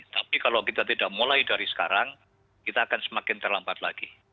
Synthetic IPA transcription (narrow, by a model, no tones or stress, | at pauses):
t̪apikalokit̪at̪idaʔ̚mulajdaɾisə̥ka̰ɾaŋ | kit̪aːkansəmakɪnt̪ərlampat̪̚laɡ̥i